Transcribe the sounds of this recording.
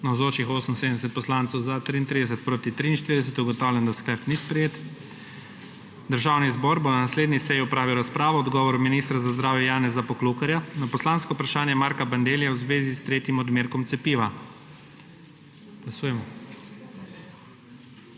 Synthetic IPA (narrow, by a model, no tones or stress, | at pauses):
nawzoːt͡ʃixoːsəm̩nseːd̪ənɛs̬ɛt̪pɔslaːnsɛwzat̪ɾiːnt̪ɾid̪ɛsɛt̪̚pɾoːt̪it̪ɾiːnʃt̪iɾid̪ɛs̬ɛt̪uɡɔt̪awlʲjɛnd̪askləɾpnispɾɛjeːt̪ | d̪əɾʒaːwnizbɔɾbonanasleːd̪nisɛjiɔpɾaːʋiwɾaspɾaːʋɔɔd̪ɡɔːʋɔɾuminist̪ɾazazd̪ɾaːwjɛjaːnɛzapɔklukaɾjanapɔslaːnskɔupɾaʃaːnjɛmaːɾkaband̪eːljɛwzʋeːzist̪ɾeːt̪jimɔd̪meːɾkɔmt̪sɛpiːʋa | ɡ̥lasuːjɛmɔ